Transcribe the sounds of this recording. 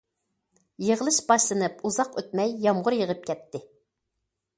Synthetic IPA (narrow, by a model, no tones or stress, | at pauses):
jəʁəlˠɨʃbɑʃlˠɨnɨpuzɑqøt̪̚mɛjːɑmʁʊɾjəʁəp̚kʲʰɛt̪ʰːɪ